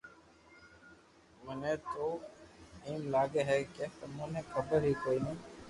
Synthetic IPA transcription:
mənẽːt̪oː | iːmlaːɡeːɦɛːkeːt̪əmõːnẽːkʰəbəɾɦiːkoːɾĩː

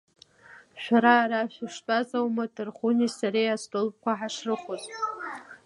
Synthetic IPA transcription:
ʃᶣaɾaːɾaʃᶣaʂt͡pʼazawmadɨrχunisaɾejastʼolp̚ʼkʷaħaʂrɨχʷoz

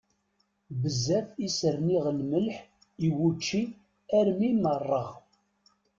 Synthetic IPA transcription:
bəzːæθisəɾniʁəlməlħ | iwut͡ʃːi | æɾmimərˤːɑʁ

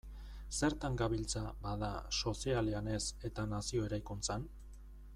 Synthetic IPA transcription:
se̞ɾt̪aŋɡaβilt͡sabaðaso̞sialeane̞se̞t̪anasio̞e̞ɾajkunt͡san

